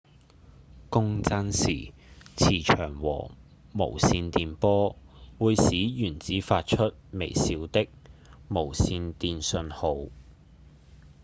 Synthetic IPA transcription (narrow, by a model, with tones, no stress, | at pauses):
kʊ˥ŋt͡sɐ˥nsiː˨˩ | t͡sʰiː˨˩t͡ʃʰœ̰ː˨˩ŋwɔ̰ː˨˩ | mo̰˨˩wsiː˧nt̪iː˧npɔː˥wuː˨˧jsiː˨˥jyː˨˩nt͡siː˨˥faː˧t̚t͡ʃʰɵ˥t̚me˨˩jsiː˨˧wt̪ɪ˥k̚mo˨˩wsiː˧nt̪iː˧nsɵ˧nho˨˧w